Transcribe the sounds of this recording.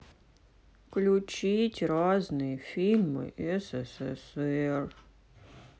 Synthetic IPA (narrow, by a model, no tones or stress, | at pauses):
klʲʊt͡ɕitʲraznɨjfʲilʲmɨ̰ʔɛsɛsɛsɛr